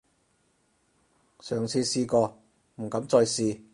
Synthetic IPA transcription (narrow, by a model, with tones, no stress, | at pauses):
sœː˨˩ŋt͡sʰiː˧siː˧kɔː˧ | m̩˨˩kɐ˨˥mt͡sɔː˧jsiː˧